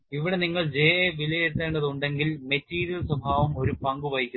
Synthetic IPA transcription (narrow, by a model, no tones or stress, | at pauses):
iʋiɽe̞niŋːɐɭd͡ʑejɐeʋilɐjet̪ːeːɳɖɐðuɳɖe̞ŋɡilmetːiːɾijɐlsɐbʱaːʋɐmo̞ɾupɐŋɡuʋɐjikʲːu